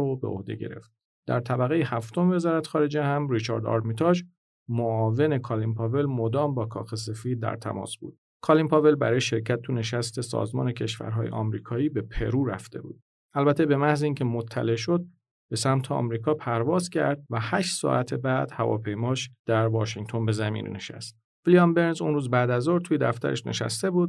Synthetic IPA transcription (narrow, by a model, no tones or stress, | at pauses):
obeo̰hd̪e̞̰ɟe̞̰ɾe̞̰ft̪̚ | d̪̥æ̰ɾt̪ʰæbæɣejehæft̪ʰomeve̞zɒːɾæt̪ʰxɒːɾe̞d͡ʒe̞hæmɾit͡ʃʰɒ̰ɾd̪ɒ̰ɾmit̪ʰɒʒ | moɒːve̞ne̞kʰɒːlimpʰɒːve̞lmod̪ɒːmbɒːkʰɒ̰ːxe̞s̬e̞fiːd̪̚ːæ̰ɾt̪ʰæ̰mɒ̰ːsb̥ṵːd̪̥ | kʰɒlimpɒve̞lbæɾɒːjeʃe̞ɾcʰæt̪̚ʰːune̞ʃæst̪ʰe̞sɒ̰ːzmɒ̰ːne̞cʰe̞ʃvæ̰ɾɦɒ̰ːje̞̰ʔɒ̰mɾiːkʰɒːjiːbe̞pʰe̞̰ɾuːɾæ̰ft̪e̞̰bṵːd̪̥̚ | ælbæt̪ʰe̞be̞mæhzeiːncʰe̞mot̪ʰːæ̰le̞ʃo̞d̪̚ | b̥e̞sæmt̪ʰeɒ̰ːmɾiːkʰɒːpʰæɾvɒːzcʰæ̰ɾd̪̥̚væhæʃt̪sɒ̰ʔæt̪ʰe̞bæːd̪̥hævɒ̰ːpʰe̞jmɒːʃd̪̥æɾvɒːʃiŋt̪ʰo̞nbe̞zæmḭːnne̞ʃæ̰st̪̚ | vilijɑmbe̞ɾnzunɾuːzbæd̪æzoɾt̪ʰujed̪æft̪æ̰ɾʔeʃne̞̰ʃæ̰st̪e̞buːd̪